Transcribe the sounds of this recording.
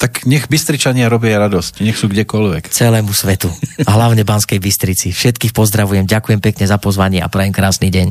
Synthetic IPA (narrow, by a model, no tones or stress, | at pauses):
t̪akɲɛɣbist̪ɾit͡ʃaɲɪaɾɔbɪajɾad̪ɔscɲɛxsuːɡɟɛkɔlʋɛkt͡sɛlɛːmusʋɛt̪uɦlaʊɲɛbanskɛjbist̪ɾit͡sifʃɛt̪kiːxpɔzd̪ɾaʋujɛmɟakujɛmpɛkɲɛzapɔzʋaɲɪɛʔa̰pɾaimkɾaːsniːɟɛɲ